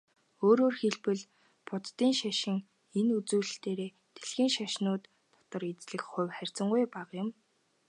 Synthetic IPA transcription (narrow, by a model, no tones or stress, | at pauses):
oːɾoːrxeɮpɘ̆ɮ | pʊt̪t̪ːiːŋʃaʃɪ̆ŋ | enut͡suːɮ̆ɬt̪eːɾeː | t̪ʰe̥ɮxiːŋʃaʃnʊːt̪ʰː | ɔ̥t̪ɞ̆ɾet͡sɮɘ̆kχʊ̟wʲχærʲt͡sə̆ŋɡujpaqjʊ̆m